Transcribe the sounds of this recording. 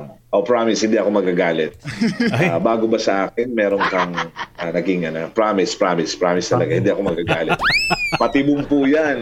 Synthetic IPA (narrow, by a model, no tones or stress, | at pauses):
ʔopɹaːmɪshɪnd̪iʔɐkomɐɡ̚kaɡaːlɪt̪̚abaːɡobɐsɐʔaːkɪnmɛːɾo̞nkɐŋʔanɐɡɪŋʔɐnopɹaːmɪspɾaːmɪspɾaːmɪst̪ɐlɐɡahɪnd̪iɐko̞mɐɡ̚kaɡaːlɪt̪̚mɐt̪ɪbʊŋpujan